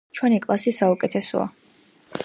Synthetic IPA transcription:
t͡ʃʰwɛnikʼlˠasisaukʼɛt̪ʰɛsɔ̰a̰

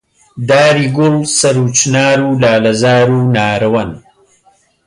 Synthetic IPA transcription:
d̪aːɾiɡʊlsɐɾut͡ʃnaːɾulaːlɐzaːɾunaːɾɐwɐn

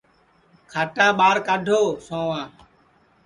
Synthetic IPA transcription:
kʰaːʈãːɓaːɾkaːɖʱoːsõːʋãː

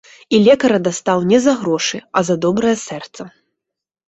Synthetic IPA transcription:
ilʲɛkɐɾɐd̪ast̪awnʲɛzɐɣɾɔʂɨɐzɐd̪ɔbɾɐjɛsɛrt̪sɐ

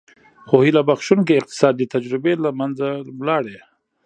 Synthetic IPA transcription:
xohilabaxʃunk̬eɪq̚t̪ɪ̥sɑd̪ːət̪ad͡ʒɾɪbelamanzamlɑɽe

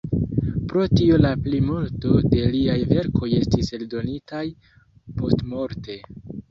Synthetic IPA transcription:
pɾo̞tio̞laplimulto̞de̞liajve̞ɾkʰo̞je̞stise̞ldo̞nitaj | po̞stmo̞ɾte̞

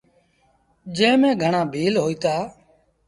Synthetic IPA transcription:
d͡ʒẽːmẽːɡʱəɳãːbʱiːlɦoːiːt̪aː

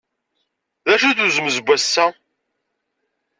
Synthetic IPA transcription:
ðæʃuθuzəməzbʷːæsːæ

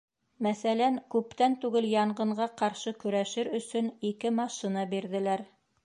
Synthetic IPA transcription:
mæθælæŋkʉpt̪ænt̪ʉɡɘljɑɴɢɤ̆ɴɢɑqɑɾʃɤkɵ̆ɾæʃɘɾɵ̆sɵnikɘmɑʃinɑbiɾðɘ̆læɾ

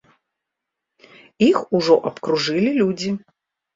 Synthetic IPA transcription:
ixuʐɔʔɐpkɾuʐɨlʲilʲud͡zʲi

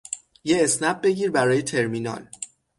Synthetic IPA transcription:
jeːsnæb̚be̞ɟiːɾbæɾɒːje̞t̪ʰe̞ɾminɒ̰l

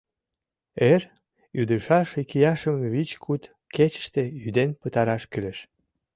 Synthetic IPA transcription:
er | jyd̪əʃɑʃikijɑʃəmβit͡ɕkʰut̪ | ket͡ɕə̥ʃt̪ejyd̪enpət̪ɑɾɑʃkyleʃ

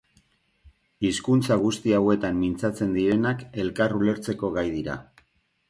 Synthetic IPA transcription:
iskunt͡saɣ̞ust̪iawe̞t̪amːint͡sat͡se̞nd̪iɾe̞nake̞lkarule̞ɾt͡se̞ko̞ɣajðiɾa̰

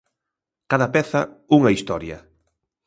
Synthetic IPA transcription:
kaðɐpɛθɐuŋɐist̪ɔɾjɐ̰

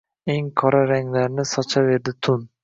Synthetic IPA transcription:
eŋkʰɒɾaɾaŋlaɾnɪsɒt͡ʃʰave̞ɾd̪ɪt̪ʰʊn

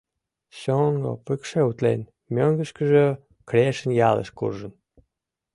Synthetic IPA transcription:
ɕoŋɡo̰pɨkʃeut̪lḛn | mʲøŋɡə̆ʃkəʒø | kɾʲeʃə̆njɑlə̰ʃkṵrʒə̆n

